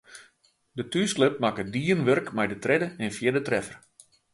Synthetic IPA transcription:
dətyslɪp̚makədiənʋørkmɛjdətrɪdəɛnfjɪdətrɛfər

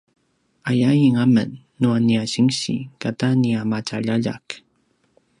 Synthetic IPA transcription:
ajajiŋamə̰nːuaniaɕiŋɕḭkataniamat͡ʃaʎaʎa̰k

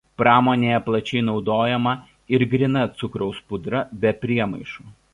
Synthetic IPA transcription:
pɾɑːmoːnʲeːjɛplˠɐt͡ʃʲɛɪnɒʊd̪oːjɛmɐ | ɪɾɡɾʲɪnɐt̪sʊkɾɔʊspʊd̪ɾɐbʲɛpʲɾʲiɛmɐɪʃuː

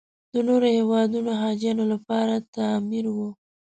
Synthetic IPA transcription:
d̪ənoɾohewɑd̪unoɦɑd͡ʒjɑnolapɑɾat̪amiɾwu

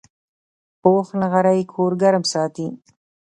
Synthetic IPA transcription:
poːxnaɣaɾajkʰoːɾɡaɾmsɑːt̪i

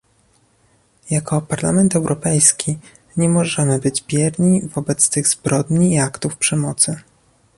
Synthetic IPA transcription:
jakɔpaɾla̰mɛnt̪ɛwɾʔɔpɛjskʲʰi | ɲɛmɔʐɛmɘbɘd͡ʑbʲjɛɾɲivɔbɛt̪st̪ɘɣzbɾɔd̪ɲiːakt̪ufpʂɛmɔt̪sɘ

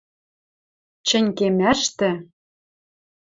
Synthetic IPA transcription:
t͡ɕɘ̆nʲkemæʃt̪ɘ̆

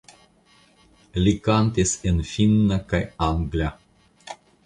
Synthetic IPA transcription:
likant̪esʲɨnfinːəkajaŋɡlia

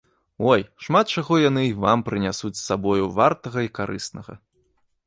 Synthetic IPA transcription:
ɔjʂmat̪̚t͡ʂaɣɔjanɨivampɾɨnʲasut͡sʲsːabɔjuvart̪ɐɣɐikaɾʔɨ̰snɐɣɐ̰

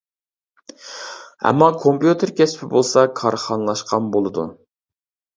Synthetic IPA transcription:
ɛ̰mːɑkʰompjut̪ɪɾkʲʰɛspʰɪbolˠsɑkʰɑɾχɑnəlˠɑʃqʰɑnbolˠɨd̪ṵ

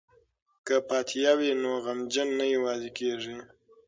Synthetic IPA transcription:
kəpɑt̪ʰijɑwinoɣamd͡ʒənːajawɑzekeʐi

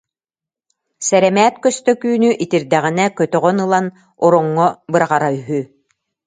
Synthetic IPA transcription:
sɛɾɛmɛːt̪kœst̪œkyːnyʔit̪iɾd̪ɛʁinɛkœt̪œʁœnɯlˠan | ɔɾɔŋːɔbɯɾaʁaɾayɦy

